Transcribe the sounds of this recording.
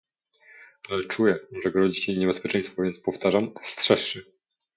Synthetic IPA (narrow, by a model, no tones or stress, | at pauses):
alɛt͡ʂujɛʐɛɡɾɔd͡ʑiɕɛɲɛbɛspʲjɛt͡ʂɛj̃st̪fɔvʲjɛnt̪spɔft̪aʐamst̪ʂɛʂːɘ